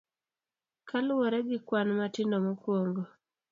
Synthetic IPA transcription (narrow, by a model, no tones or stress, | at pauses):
kʰalwɔɾɛɡɪkwanmatindɔmɔkwoŋɡo